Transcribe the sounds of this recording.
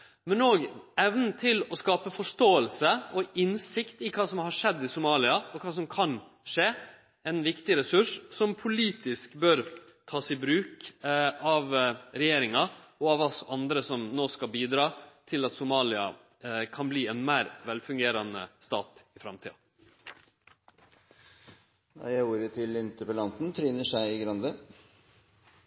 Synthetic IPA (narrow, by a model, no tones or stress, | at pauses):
mɛnoːɡɛʋnn̩t̪ʰɪlɔskɑːpəfɔʂtoːəlsəɔɪnsɪkt̪ɪkʰɑːsɔmhɑʂɛd̪ːɪsʊmɑːlɪɑɔkʰɑːs̬ɔmkʰɑn | ʂeː | ɛɪnʋɪkt̪ɪɾɛsʉʂsɔmpʰʊliːt̪ɪskbœɾ | t̪ʰɑːsɪbɾʉːk | ɑʋɾɛjeːɾɪŋɑɔɑʋɑsɑnd̪ɾəsɔmnoːskɑlbiːd̪ɾɑːt̪ʰɪlɑt̪sʊmɑːlɪɑ̰ | kʰɑnbliːɛnmæːɾʋɛlfʉŋɡeːɾɑnə̰st̪ɑ̰ːt̪ɪfɾɑmt̪ʰiːɑ̰ | ɑ̰jæɪuːɾət̪ʰɪlːɪnt̪əpɛlɑnt̪n̩t̪ʰɾyːnəʂæɪɪɡɾɑnd̪ə